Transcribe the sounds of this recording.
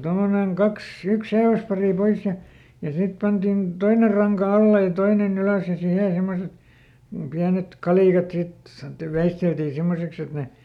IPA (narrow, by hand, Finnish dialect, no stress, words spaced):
tomːoneŋ kɑks yks seiʋæspɑriˑ pois jɑ jɑ sit pɑntin toiner̆ rɑŋkɑ ɑlːe jɑ toinen yløˑs jɑ sihe semːoset piænet kɑliˑkɑt sit sɑnŏtːiʋ ʋeisteltiː simːoseks et ne